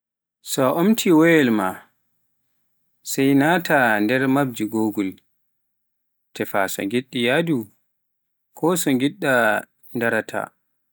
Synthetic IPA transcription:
sɔʔomtʰiwɔjɛlma̰ | sɛjnatʰandɛɾmab̚d͡ʒiɡoːɡul | tʰɛfa̰sɔ̰ŋɡiɗːijadu | kʰɔsɔŋɡiɗːa | ndaɾatʰa̰

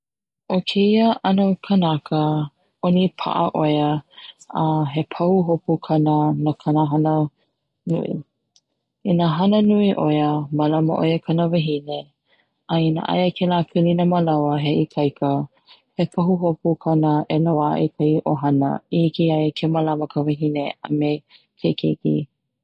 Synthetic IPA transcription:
ʔokʰeiəʔɐnəkʰənɐkə | onipʰa̰ʔəʔojə | aɦepʰɐhuɦopukʰɐnənakʰɐnəɦɐnə | nṵʔḭ | inaɦɐnənuiʔojəmɐlɐmə̰ʔojəkʰɐnəveɦine | ʔainə̰ʔɐ̰jəkʰelaːpʰilinəməlawəɦeʔikʰɐjkʰə | hepʰɐɦuɦopukʰɐnəʔelawaʔikʰɐjʔoɦɐnə̰ihikiɐjkʰemalaməkʰəveɦinea̰me | kʰekʰekḭ

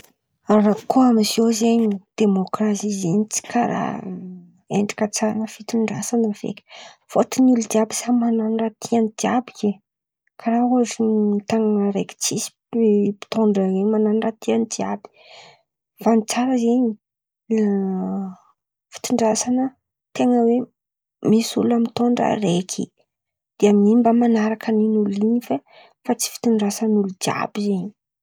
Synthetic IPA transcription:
rakoamzozeɲid̪̥emokrasizeɲit͡si̥kʰaɾa̰ | eɳɖ͡ʐḁkʲət͡saɾanəfit̪uɳɖ͡ʐasanəv̥ḛkʲə̥foʈ͡ʂinulud̪iabisamananrat̪ʰiand̪iabikʲe | kaɾauaʈ͡ʂit̪aŋnaɾekʲi̥t͡sisi̥ | pi̥t̪oɳɖ͡ʐazeɲmananrat̪ʰianid̪iabi̥ | vanit͡saɾəzeɲi | fi̥t̪uɳɖ͡ʐasanə | t̪eŋəwe | misulamit̪oɳɖ͡ʐə̰rekʰḭ | d̪̥eamnimbamanaɾakaninuliɲnife | fat͡si̥fi̥t̪uɳɖ͡ʐasanulud͡ʒia̰bizeɲi̥

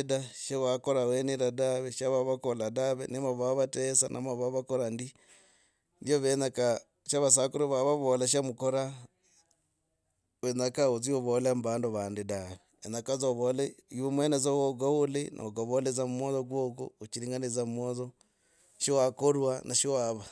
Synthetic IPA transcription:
edaʃawakoɾaweneɾadaβeʃaβaβakoladaβenemaβaβatesanʔa̰maβaβakoɾandi | ndioβenaka | ʃaβas̬akuɾeβaβaβolaʃ̬amukoɾa | βenakaot͡sioβolembaːndoβaːndedaβe | enakazoβoleiβomwenazowoɡaolenʔa̰oɡaβolezamumwoðoɡwoko̰ot͡ʃiɾiːŋɡanezammwoðo | ʃiwakoɾwanʔaʃiwaβa

